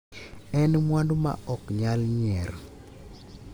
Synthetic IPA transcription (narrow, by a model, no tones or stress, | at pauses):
ɛnmwandoma̰ʔɔkɲalɲɛɾ